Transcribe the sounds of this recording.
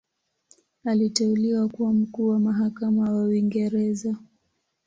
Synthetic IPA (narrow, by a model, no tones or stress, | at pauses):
alitɛuliwakuwam̩kuːwamaɦakamawawiŋɡɛɾɛza